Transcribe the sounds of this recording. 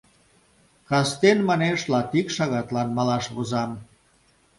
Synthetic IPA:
kɑst̪enmɑneʃlɑt̪ikʃɑɣɑt̪lɑnmɑlɑʃβuzɑm

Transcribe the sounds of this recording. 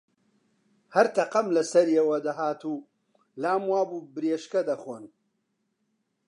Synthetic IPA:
hɐɾt̪ʰɐqɐmlɐsɐɾjewɐd̪ɐɦaːt̪uː | laːmwaːbuːbɨɾeːʃkɐd̪ɐχoːn

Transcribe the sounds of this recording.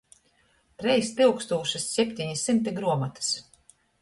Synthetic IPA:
t̪ɾɛjst̪ɨwkst̪uːʃisːʲɛpʲt̪ʲiɲisimt̪iɡɾuɔmat̪ɨ̥s

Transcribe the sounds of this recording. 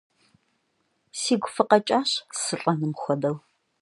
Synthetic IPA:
siːɡʷʊfɨqɐt͡ʃʼaːɕsɨɬʼɐnɨmxʷɔdɐw

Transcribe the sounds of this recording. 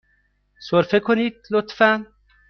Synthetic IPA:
soɾfekʰonit̪lot̪fæn

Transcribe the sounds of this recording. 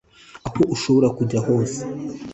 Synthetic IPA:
aho̞ʔuʃo̞βo̞ɾakuɟaho̞ːse̥

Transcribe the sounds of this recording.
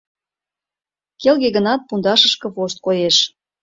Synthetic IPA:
kelɣeɣənɑt̪̚pund̪ɑʃəʃkɤ̆poʃt̪̚kojeʃ

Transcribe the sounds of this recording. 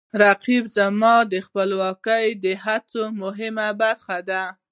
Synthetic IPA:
ɾaqibzamɑd̪əxpəlwɑkəjd̪əɦat͡somʊɦɪmabaɾxad̪a

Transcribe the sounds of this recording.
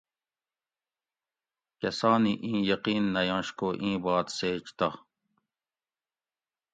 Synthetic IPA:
kesɑːniʔĩːjɐqiːnːɐjɑ̃ːʃkoʔĩːbɑːt̪seːt͡ʃt̪ɑ

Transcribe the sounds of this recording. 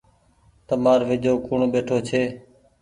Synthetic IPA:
t̪əmaːɾʋɪd͡ʒoːkʊɳɓeːʈʰoːt͡ʃʰeː

